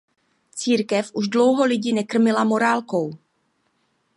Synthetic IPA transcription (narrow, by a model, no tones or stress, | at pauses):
t͡siːɾkɛfʔuʃdlo̞wɦo̞lɪɟinɛkr̩mɪlamo̞ɾaːlkow